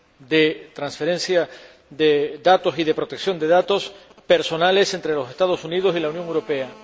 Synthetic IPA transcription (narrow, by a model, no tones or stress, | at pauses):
d̪e̞t̪ɾansfe̞ɾẽ̞nsja | ðeðat̪o̞siðe̞pɾo̞t̪e̞ksjo̞nd̪e̞ðat̪o̞s | pe̞ɾso̞nale̞se̞nt̪ɾe̞lo̞se̞st̪að̞o̞suniðo̞silaunjoŋewɾo̞pe̞a